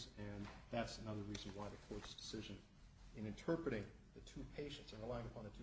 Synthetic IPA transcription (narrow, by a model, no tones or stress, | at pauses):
zɨ̃nðætsɨnʌðə˞ɹizn̩waɪðɨkʰɔɹtsd̥ɨ̥sɪʒɨ̃n | ɨ̃nɨ̃ntʰɜ˞pɹɨɾɪ̃ŋ | ðɨtʰupʰeɪʃɨ̃ntsɨ̃nɹəlaɪɪ̃ŋəpʰɑ̃nðɨtʰ